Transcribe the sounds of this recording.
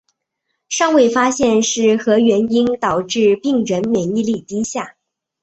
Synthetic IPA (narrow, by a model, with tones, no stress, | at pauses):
ʂɑ˥˧ŋwe˥˩ɪfa˥ɕjɛ˥˧nʂɻ̩˥˩xɤ˧˥ɥɛ˧˥ni˥nt̪ɑ˨˩ʊʈ͡ʂɻ̩˥˧pi˥˩ŋɻə˧˥nmjɛ˨˩ni˥˧li˥˩t̪i˥ɕja˥˩